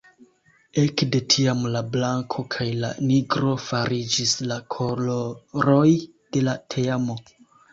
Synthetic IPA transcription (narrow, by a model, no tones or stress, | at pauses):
ekde̞tʰiamlablaŋkʰo̞kʰajla̰niɡɾo̞faɾid͡ʒislakʰo̞loɾo̞j | d̥e̞latʰeamo̞